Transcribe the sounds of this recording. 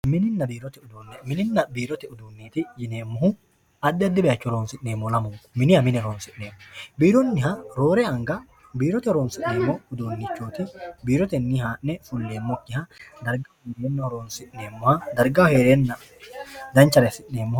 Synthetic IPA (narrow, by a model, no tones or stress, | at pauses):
mɪnɪnːɐbiːɾɔt̪ɛʊd̪uːnːɛmɪnɪnːɐbiːɾɔt̪ɛʊd̪uːnːeːt̪ɪjɪneːmːʊɦʊ | ɐd̪ːɛɐd̪ːɪbɛjɐt͡ʃːɔɾoːnsɪʔneːmːɔlɐmʊŋkmɪnɪhɐmɪnɛɾoːnsɪʔneːmːɔbiːɾɔnːɪɦɐɾoːɾɛɐŋɡɐ | biːɾɔt̪ɛɾoːnsɪʔneːmːɔʊd̪uːnːɪt͡ʃːoːt̪ɪbiːɾɔt̪ɛnːihaːʔnːɛfʊlːeːmːɔkːɪhɐd̪ɐɾɡɐheːɾeːnːɐhɔɾoːnsɪʔneːmːʊhɐd̪ɐɾɡɐheːɾeːnːɐ | d̪ɐnt͡ʃːɐɾɛsɪʔneːmːʊh